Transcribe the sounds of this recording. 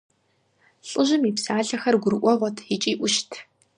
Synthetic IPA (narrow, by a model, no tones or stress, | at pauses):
ɬʼɨʒɪmiːpsaːɮɐxɐrɡʷʊɾɨʔʷɔʁʷɔtʰit͡ʃʼiːʔʷʊʃtʰ